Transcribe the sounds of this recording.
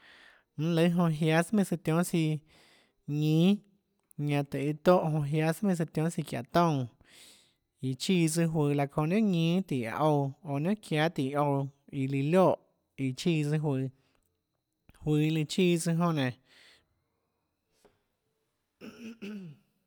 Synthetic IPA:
ñ̩˦lə˧˦ɦõ˧ɦja˧˦smĩ˧˨sɨ˧t̪jõ˦si˧ | ɲĩː˦ | ɲã˧t̪ɨ˨i˧t̪o˦˨ʔɦõ˧ɦja˦smĩ˧s̬ɨ˧t̪jõ˦si˧kja̰˨t̪õ˦˧˨ | i˨t͡ʃiː˧˨t͡sɨ˧ɦwɨː˧˨la˧kõ˧˨ʔnã˦ɲĩː˦t̪i˨a̰˧ʔo˧o˧˨nã˦kʰja˧˦t̪i˨ʔo˧wi˧li˧ljo˦˨ʔ | i˨t͡ʃi˦˧˨t͡sɨ˧ɦwɨ˧˨ | hwɨː˧˨i˧li˧t͡ʃiː˧t͡sɨ˧ɦõ˧ʔnẽ˨

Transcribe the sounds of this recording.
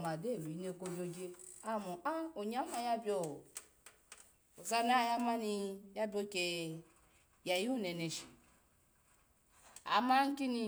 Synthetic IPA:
ma˨de˦˨wi˨˦ne˧˨ko˧d͡ʒo˧d͡ʒe˧a˦mo˨a˦o˨ɲ˦a˨˦ma˧ja˦bʲo˨ | o˨za˦na˦˨ja˦ma˦ni˧ja˦bi˦o˧˨ke˨ | ja˨ju˦ne˨ne˨ʃi̥˨ | a̰˨ma˦ŋ̩˦ki˦ni˧

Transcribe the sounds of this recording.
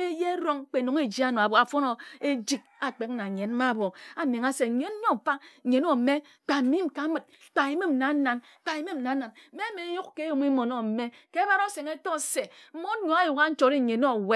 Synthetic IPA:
k͡pe˦je˦ɾo˦ŋk͡pe˨no˨ŋe˦d͡ʒi˦a˦no˨a˨bo˨a˨fo˦no˨e˦d͡ʒi˦k̚a˨k͡pe˨k̚na˨ɲe˨n˦ma˦˨bo˨a˨ne˨ŋa˦se˨ɲe˦n˦ɲo˦˨fa˦˨ɲe˨no˨me˦ | k͡pa˨mi˦mka˨˦mɨ˨t̚ | k͡pa˨i˦me˦m̩˨na˨˦na˨n˨k͡pa˨i˦me˦m̩˨na˨˦na˨n̩˦me˦me˨˦ju˦kke˦jo˨m˦i˦mo˨no˦m̩˨me˦ke˦ba˦ɾo˦se˨ŋe˦to˦se˨m̩˦mo˦n˦ɲo˨˦a˦ju˨ka˦n̩˦t͡ʃo˨ɾi˦˨ɲe˨no˦˨we˦

